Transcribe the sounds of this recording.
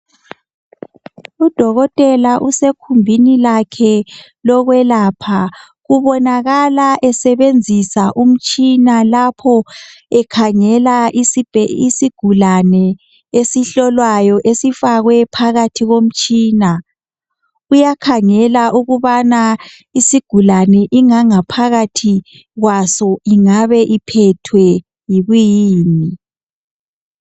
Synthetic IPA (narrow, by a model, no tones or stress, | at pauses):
ud̥ʱɔɣɔtʼɛlaʔusekʰumbʱinilakʰɛ | lɔɣwɛlaːpʰa | ɣuβɔnaɣalaʔɛsɛβend͡zʱisaʔum̩t͡ʃʼinalapʰɔɛkʰaŋɛlaʔisbʱisiɡ̥ʱulanɛ | esiɬɔlwajɔʔesifaɣwɛpʰaɣatʰiɣom̩t͡ʃʼiːna | ujakʰaŋɛlaʔuɣuβana | isiɡ̥ʱulanɛʔiŋaŋapʰaɣatʰi | ɣwasɔiŋaβɛʔipʰɛtʰwɛ | jiβujiːni